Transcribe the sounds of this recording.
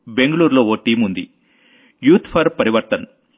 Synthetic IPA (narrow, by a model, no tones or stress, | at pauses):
be̞ŋɡɐɭuːɾlo̞ːoːʈiːmund̪ḭ | juːt̪ʰpʰɐɾpɐɾiʋɐɾt̪ɐn